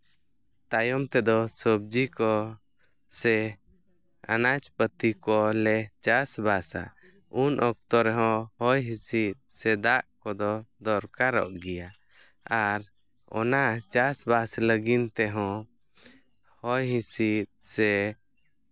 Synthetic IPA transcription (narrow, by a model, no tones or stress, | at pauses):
t̪ajɔmt̪ɛd̪ɔsəb̚d͡ʒikɔ | sɛ | a̰nat͡ʃpət̪ikɔlɛt͡ʃasbasa̰ | unʔɔk̚t̪ɔɾɛɦɔ̃hɔjɦĩsit̪̚sɛd̪aʔkɔd̪ɔd̪ɔɾkaɾɔ̰ʔɡɛja | aɾ | ɔ̰nat͡ʃasbasləɡint̪ɛɦɔ̃ | hɔjɦĩsit̪̚sɛ